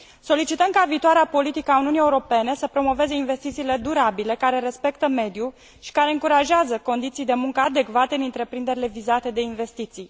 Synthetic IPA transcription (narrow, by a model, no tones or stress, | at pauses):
so̞lit͡ʃit̪əmkaviːt̪oaɾeapo̞lit̪ikəauniunie̞uɾo̞pe̞ne̞səpɾo̞mo̞ve̞ze̞inve̞st̪it̪siːle̞d̪uɾabile̞kaɾe̞ɾe̞spe̞kt̪əme̞d̪ju | ʃi̥kaɾe̞ɨŋkuɾaʒeazəko̞nd̪it̪sijd̪e̞muŋkəad̪e̞kvat̪eɨnɨnt̪ɾe̞pɾind̪e̞ɾile̞vizat̪e̞d̪e̞inve̞st̪it̪sij